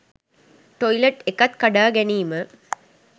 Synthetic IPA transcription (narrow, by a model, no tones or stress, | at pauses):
ʈoileʈekɐt̪kɐɖaːɡɛniːmə